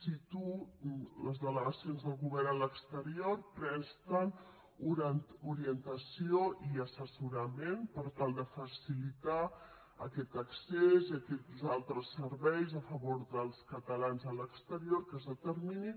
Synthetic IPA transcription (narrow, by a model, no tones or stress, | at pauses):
sit̪uləzðələɣəsionzðəlˠɣuβɛɾnələkst̪əɾiorpɾɛnst̪ən | uɾuɾiənt̪əsioiəsəsuɾəmenpəɾt̪alˠd̪əfəsilit̪a | ə̰kɛt̪əkseziəkɛt̪zalˠt̪ɾəsəɾβɛjzəfəβoɾðəlˠskət̪əlanzələkst̪əɾioɾkəzðət̪əɾmini